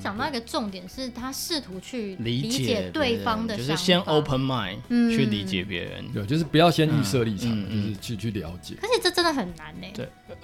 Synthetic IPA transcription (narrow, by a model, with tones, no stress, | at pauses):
t͡ɕjɑ˨˩ŋt̪ɑ˥˩ʊi˥ɡə˨ʈ͡ʂʊ˥˨ŋt̪jɛ˨˩nʂɻ̩˥˩t̪ʰa˥ʂɻ̩˥˩t̪ʰu˨˧˥t͡ɕʰy˥˩li˨˧˥it͡ɕt͡ɕjɛ˨˩t̪we˥˩ɪfɑ˥ŋd̪ə˨o˥˧˨ɕjɛ˦˥no˥˦ʊpʰə˧nma˥˩ɪnn̩˥˩t͡ɕʰy˥˩li˧˦t͡ɕjɛ˨˩pjɛ̰˧˥ɻə̰˧˦nɛ˥˧˩t͡ɕjo˥˧ʊʂɻ̩˥˩pu˨˩jɑ˥˩ʊɕjɛ˦˥ny˥˧sɤ˥˧li˥˩ʈ͡ʂɑ̰˨˩˥m˨˩t͡ɕjo˥˧ʊʂɻ̩˥˧t͡ɕʰy˥˧t͡ɕʰy˥˩ljɑ˧˥ʊt͡ɕjɛ̰˨˩kʰə˧˦ɕʰi˨˩ʈ͡ʂə˥˩ʈ͡ʂə˦˥nd̪ə˨xə˨˩nːa˨˦ne˧˦we˥˩